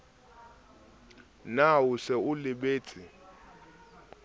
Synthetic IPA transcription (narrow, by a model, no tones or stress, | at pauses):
nawusɛulɪɓeːt͡sʼi